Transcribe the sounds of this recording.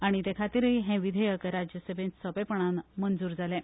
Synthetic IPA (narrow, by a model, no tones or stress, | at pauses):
aɽ̃it̪ekʰat̪iːɾiɦẽʋid̪ʱəjəkɾad͡ʑjəsəbʱẽnsəbepəɳ̃anmənd͡zuːɾd͡zalẽ